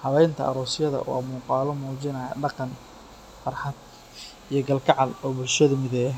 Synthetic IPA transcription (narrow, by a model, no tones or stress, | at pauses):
hɐβɛjnt̪ʰɐ̰ʔɐ̰ɾɔːsɪjɐðɐ̰wɑ̰muːqɑːlɔmuːt͡ʃɪnɐjɐ̰ɖɑqɑn | fɑrħɑd̪̚ | ijɞɡɐlkʰɑʕɑlɔːbʊlʃɐðɐmɪðɛː